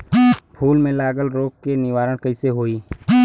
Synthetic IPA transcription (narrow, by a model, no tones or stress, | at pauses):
pʰuːlmẽlaːɡəlɾoːkkenɪʋaːɾəɽ̃kəɪseɦoːiː